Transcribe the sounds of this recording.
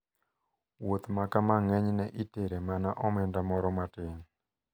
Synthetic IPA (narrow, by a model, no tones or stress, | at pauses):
wot̪makamaŋɛɲnɛʔiteɾemanaʔɔmɛndamɔɾɔmatɪŋ